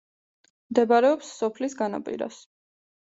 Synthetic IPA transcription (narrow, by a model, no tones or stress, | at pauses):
md̪ɛbaɾɛɔpsːɔpʰlisɡana̰pʼḭɾa̰s